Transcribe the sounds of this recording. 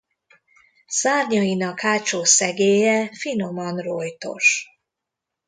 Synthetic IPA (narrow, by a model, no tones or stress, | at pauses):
saːrɲɒinɒkhaːt͡ʃoːsɛɡeːjɛfino̞mɒnrojt̪o̞̰ʃ